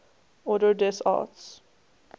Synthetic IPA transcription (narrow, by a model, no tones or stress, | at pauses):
ɔdədɛsɑ̰ːts